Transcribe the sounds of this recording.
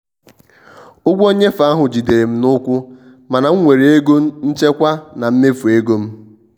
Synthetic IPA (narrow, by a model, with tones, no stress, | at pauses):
ʊ˦ɡʷo˦ɲe˦fa˨˦a˦ɦʊ˨d͡ʒi˨de˨ɾe˨m̩˦nʊ˦kʷʊ˦ | ma˨na˨ŋ̩˦ŋʷe˨ɾe˨e˦ɡo˦m̩˦n̩˦t͡ʃe˦kʷa˦na˨m̩˦me˦fu˨e˦ɡo˦m̩˦